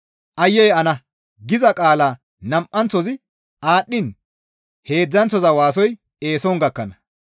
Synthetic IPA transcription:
ʔɐjːɛjɐnɐ | ɡɪzɐkʼaːlaː | nɐmʔɐnt͡sːɔzɪ | ʔaːɗːɪn | he̞ːd͡zːɐnt͡sːɔzɐwaːs̬ɔj | e̞ːsɔŋɡɐkːɐnɐ

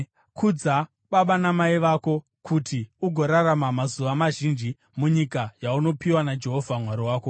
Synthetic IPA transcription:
kʰud͡za | ɓaɓanamaiʋako̞ | kʰutʰiuɡʱo̞ɾaramamazuʋamaʒind͡ʒi | muɲikajauno̞piwanad͡ʒe̞ɦo̞vʱamwaɾiwaːko̞

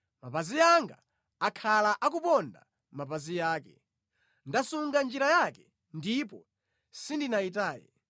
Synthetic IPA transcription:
mapazijaŋɡa̰ | akʰalaʔak̬upɔnda̰ | mapazijaːkɛ | ndasuŋɡand͡ʒiɾajakɛ̥ | ndipɔ | sindinaitaːjɛ̰

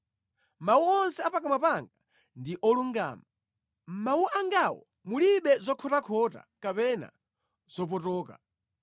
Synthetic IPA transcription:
mawuɔnsɛapakamapaŋɡa | ndiʔɔluŋɡa̰ːma | mmawuʔaŋɡawɔ̰ | muliɓɛzɔkʰɔtakʰɔta̰kapɛna̰ | z̥ɔp̬ɔtɔːka̰

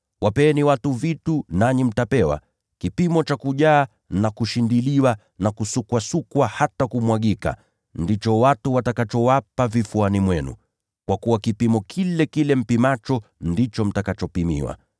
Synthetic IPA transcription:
wʔapɛːniwatuvitunaɲim̩tapɛwa̰ | kipimɔt͡ʃakuʄaː | nakuʃindiliwa | nakusukwasukwahatakumwaɠika̰ | ndit͡ʃɔwatuwatakat͡ʃɔwapavifuanimwɛnṵ | kwakuwakipimɔkʰilɛkilɛm̩pimat͡ʃɔndit͡ʃɔm̩takat͡ʃɔpimḭwa̰

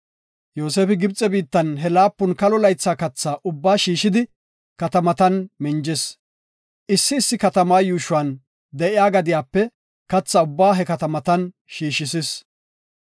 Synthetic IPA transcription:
joːseːfɪɡɪbt͡sʼːɛbiːt̪ːɐnɦɛlaːpːʊnkɐlɔlɐjt͡sːaːkɐt͡sːaːʔʊbːaːʃiːʃɪd̪ɪ | kɐt̪ɐmɐt̪ɐnmɪnd͡ʒɛs | ʔɪsːɪːsːɪkɐt̪ɐmaːjuːʃʊɐːn | d̪ɛʔɪjaːɡɐd̪ɪjaːpːɛ | kɐt͡sːaʊbːaːɦɛkɐt̪ɐmɐt̪ɐn | ʃiːʃɪsɪs

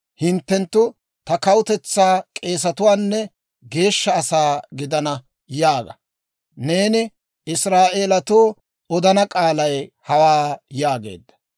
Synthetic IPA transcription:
hɪnt̪ːɛnt̪ːʊ | t̪ɐkɐwʊt̪ɛt͡sːaːkʼe̞ːs̬ɐt̪ʊwaːnːɛ | ɡe̞ːʃːɐːsaːɡɪd̪ɐnɐ | jaːɡɐ̰ | ne̞ːnɪ | ɪsɾaːʔeːlɐt̪oː | ɔd̪ɐnɐkʼaːlɐjhɐwaːjaːɡe̞̰ːd̪ːɐ̥

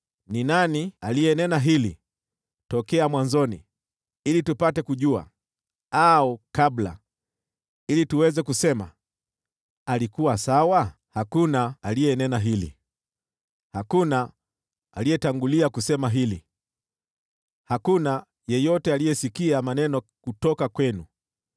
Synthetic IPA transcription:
ninanialijɛnɛnaɦili | tɔkɛamwanzɔnḭ | ilitupatɛkuʄua̰ | aɔkabla̰ | ilituwɛzɛkusɛma̰ | alikuwasawa | hakunaːlijɛnɛnaɦilḭ | hakuna | alijɛtaŋɡuliakusɛmaɦilḭ | hakuna | jɛjɔtɛalijɛsikiamanɛnɔkutɔkakwɛnu

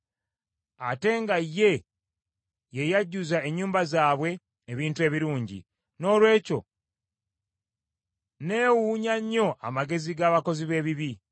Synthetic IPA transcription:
ate̞ːŋɡajːe̞ | jejaɟːuzae̞ɲːuːmbazaːβwe̞ː | βiːntue̞ːβiɾuːɲɟḭ | no̞ːlwe̞ːco̞̰ | ne̞ːwuːɲaɲːo̞ʔa̰maɡe̞ziɡaːβako̞ziβe̞ːβiβi

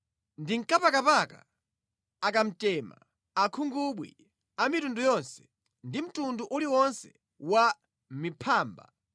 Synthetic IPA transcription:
ndiŋkapakapaka̰ | akam̩tɛma̰ | akʰuŋɡuɓwḭ | amitundujɔnsɛ̥ | ndim̩tunduʔuliwɔnsɛ̥ | wa | mipʰaːmba̰

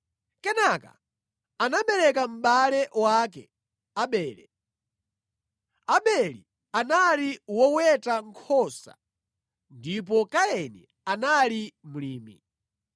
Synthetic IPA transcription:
kɛnaka̰ | anaɓɛɾɛkam̩ɓalɛwakɛ̰ | aɓɛːlɛ | aɓɛlḭ | analiwɔwɛtaŋkʰɔsa̰ | ndip̬ɔkaɛnɛ | analimuliːmḭ

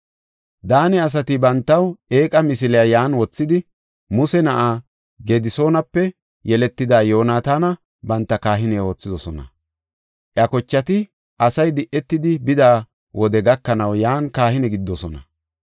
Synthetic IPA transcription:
d̪aːnɛɐs̬ɐt̪ɪbɐnt̪ːɐwʔeːkʼɐmɪs̬ɪlɛjajaːnwɔt͡sːɪd̪ɪ | mʊsɛnɐʔaː | ɡeːd̪ɪso̞ːnɐpːɛ | jɛlɛt̪ːɪd̪aːjo̞ːnaːt̪aːnɐ | bɐnt̪ːɐkaːɦɪnɛwoːt͡sːɪdɔsɔnɐ̰ | ʔjɐkɔt͡ʃːɐt̪ɪ | ʔɐsɐjd̪ɪʔːɛt̪ːɪd̪ɪbɪd̪aː | wʔɔd̪ɛɡɐkːɐnɐwjaːnkaːhɪnɛɡɪd̪ːɔsɔnɐ̰

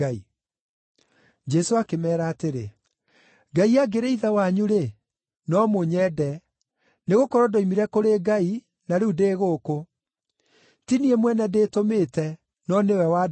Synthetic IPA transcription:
i | d͡ʒɛsoakemɛːɾaːteɾḛ | ɡaiaɡeɾeiðawaɲuɾe | nɔmoɲɛdɛ | neɣokɔɾɔdɔimiɾɛkoɾeɡai | naɾuudeːɣoːko | tiniɛmwɛnɛdeːtometɛ | nɔnewɛwa

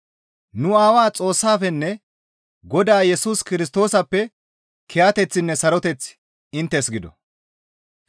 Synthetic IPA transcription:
nʊaːwaːt͡sʼo̞ːsːaːfɛnːɛ | ɡɔd̪aːjɛsuːskɪɾɪst̪o̞ːsɐpːɛ | kʰɛjaːt̪ɛt͡sːɪnːɛsɐɾɔt̪ɛt͡s | ɪnt̪ːɛsɡɪd̪ɔ̰

